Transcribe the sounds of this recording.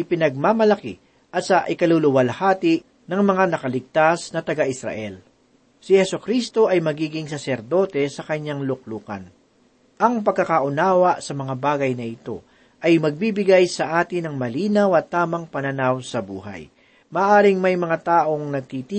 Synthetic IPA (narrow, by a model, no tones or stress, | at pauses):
ʔɪpɪnɐɡ̚mamɐlɐkɪ̰ | ʔɐt̪sɐʔɪkɐlulʊwɐlhaːt̪ɪʔ | nɐŋmɐŋanɐkɐlɪɡ̚t̪asnɐt̪ɐɡaʔɪsɾɐ̰ʔɛl | sɪhɛsʊkɾist̪o̞ʔɐjmɐɡiːɡɪŋsɐsɛɾd̪o̞ːt̪ɛsɐkɐɲːaŋlʊk̚luːkɐ̰n | ʔɐŋpɐɡ̚kːɐkaʔʊnaːwɐʔsɐmɐŋabaːɡɐjnɐɪt̪o̞̰ | ʔɐjmɐɡ̚bibɪɡajsɐʔaːt̪ɪnɐŋmɐliːnɐwɐt̪ːaːmɐŋpɐnɐnawsɐbṵːɦa̰j | mɐːʔaːɾɪŋmɐjmɐŋat̪aːʔo̞ŋnɐɡ̚t̪it̪i